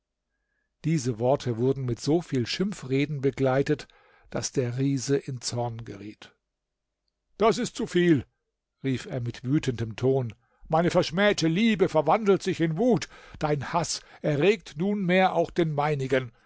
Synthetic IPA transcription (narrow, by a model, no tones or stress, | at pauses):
d̥iːzəvɔɐtʰəvʊɐdn̩mɪtz̥oːfiːlʃɪmfʁeːdn̩bəɡlaɪtət | d̥asd̥eːɐʁiːzəʔɪnt͡sɔɐnɡə̰ʁiːt | d̥asɪst̚t͡sufiːl | ʁiːfeːɐmɪtv̥yːtəndəmtʰoːn | maɪnəfɛɐʃmɛːtəliːbəfɛɐvandl̩tz̥ɪçɪnvuːtd̥aɪnhasʔɛɐʁeːk̚tnuːnmeːɐʔaʊxd̥eːnmaɪnɪɡən